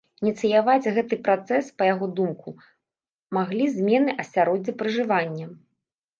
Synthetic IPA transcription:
inʲit̪sɨjavad͡zʲɣɛt̪ɨpɾat̪sɛspɐjaɣɔd̪umku | maɣlʲizʲmʲɛnɨʔɐsʲaɾɔd͡zʲɛpɾɨʐɨvanʲːɐ

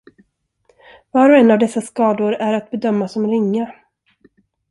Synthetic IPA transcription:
vɑːɾɔɛnːavd̪ɛsːaskɑːd̪ʊɾæɾat̪̚bɛd̪œmːasɔmɾɪŋːa

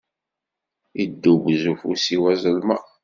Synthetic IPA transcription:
id̪ːubzufusiwæzəlma

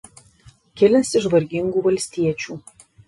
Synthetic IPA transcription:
kʲɪlʲɛsʲɪʒʋɐɾʲɡʲɪŋɡuːʋɐlʲsʲt̪ʲiɛt͡ʃʲuː

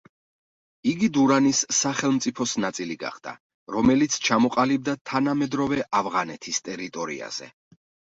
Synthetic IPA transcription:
iɡid̪uɾanisːaχɛlˠmt̪sʼipʰɔsnat̪sʼiliɡa̰χd̪̥a̰ | ɾɔmɛlit̪sʰt͡ʃʰamɔqʼalib̚d̪at̪ʰanamɛd̪ɾɔvɛʔavʁanɛt̪ʰist̪ʼɛɾit̪ʼɔɾḭa̰z̥ɛ̰

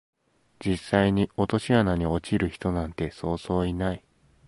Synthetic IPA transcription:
d͡ʑisːaiɲ̟io̞t̪o̞ɕianaɲ̟io̞t͡ɕiɾɯ̟çi̥t̪o̞nãnt̪e̞so̞ːz̥o̞ːinai

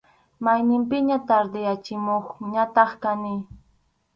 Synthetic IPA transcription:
majnɪmpɪɲat̪aɾd̪ɪjat͡ʃɪmoχɲat̪ɑχkanɪ

